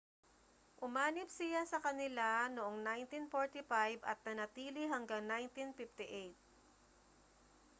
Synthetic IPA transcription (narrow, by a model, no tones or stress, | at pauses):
ʔʊmaːnɪp̚sɪjasɐkɐnɪlanoʔoŋnajnt̪infoɹt̪ɪfajbʔɐ̰t̪̚nɐnɐt̪iːlɪɦɐŋɡaŋnajnt̪infɪft̪ɪʔejt̪̚